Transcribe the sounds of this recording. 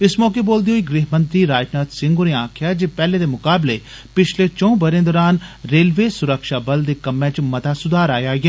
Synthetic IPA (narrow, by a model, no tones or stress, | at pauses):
ɪsmɔːkeboːld̪ijoːiɡɾiːɦmə̃nt̪ɾiːɾaːjʈnaːt̪sɪ̃ŋɡoneaːkʰɪjaːd͡ʒeːpɛːled̪eːmʊkaːble | pɪt͡ʃʰlet͡ʃɔ̃ːbəɾẽːnd̪əɾaːnɾeːlʋeːsʊɾəkʃaːbɐld̪eːkɐmɛ̃ːt͡ʃmɐt̪aːsʊd̪aːɾaːjaːɡeː